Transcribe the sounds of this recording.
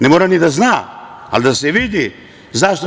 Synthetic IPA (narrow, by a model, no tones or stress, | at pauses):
nemoːɾanid̪aznaa̰lid̪aseʋid̪i | zaʃt̪o